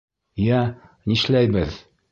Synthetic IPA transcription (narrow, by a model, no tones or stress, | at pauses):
jæ | niʃlæjbɘð